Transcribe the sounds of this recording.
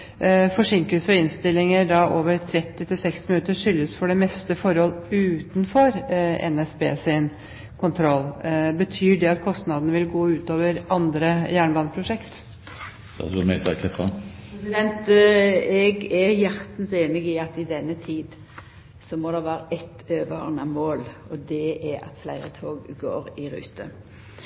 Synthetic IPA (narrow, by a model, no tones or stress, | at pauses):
fɔʂɪŋkəlsəɔɪnst̪ɪlːɪŋəɾd̪ɑʔoːʋəɾt̪ʰɾɛt̪ːɪt̪ʰɪlsɛkst̪ɪmɪnʉt̪ːəʂʏlːəsfɔɖɛmɛst̪əfɔɾhɔlʉːt̪n̩fɔɾɛ̰nɛsbḛːsɪn | kʰʊnt̪ʰɾɔlːbət̪ʰyːɖɛɑt̪kʰɔst̪nɑd̪ənəʋɪlɡoːʉːt̪oːʋəɾɑnd̪ɾəjæːɳbɑːnəpʰɾʊʂɛkt̪ | d̪ʰɑ̰sʋɔmɛt̪ʰɑkʰɛfɑnɛsɪd̪ɛnt̪ | ɛɡɛɾjæɾt̪n̩seːnɪɡɪɑt̪ɪd̪ɛnːət̪ʰiːd̪ | sɔmɔd̪ɛʋæːɾəʔɛt̪øːʋənəmoːlɔd̪ɛɛɾɑ̰t̪flæɪɾət̪ʰoːɡːo̰ːɾɪɾʉ̰ːt̪ʰə